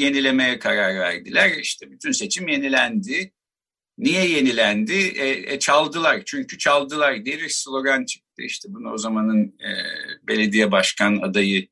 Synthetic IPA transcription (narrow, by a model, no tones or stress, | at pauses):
je̞nilʲe̞me̞jɛkʰaɾaɾvæ̰ɾd̪ilʲæɾiʃt̪ʰɛbyt̪ʰynse̞t͡ʃʰimje̞nilʲænd̪ɪ | nijɛje̞nilʲænd̪ɪɛɛ̰t͡ʃʰalˠd̪ɯlˠaɾt͡ʃʰyɲcʰyt͡ʃʰalˠd̪ɯlˠaɾd̪ejelʲiɾslʲˠo̞ɡant͡ʃʰɯ̥k̚t̪ʰɯ̰iʃt̪ʰɛbunao̞zamanɯnɯ̰ːbe̞lʲe̞d̪ijɛbaʃkʰana̰d̪ajɯ